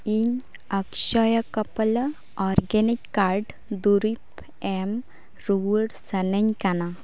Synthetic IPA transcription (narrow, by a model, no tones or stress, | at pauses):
iɲ | ɐkʃəjəkɐpəl | ɔɾɡenikːaɾɖ | d̪uɾip | em | ɾuʋəɽsɐnəɲkana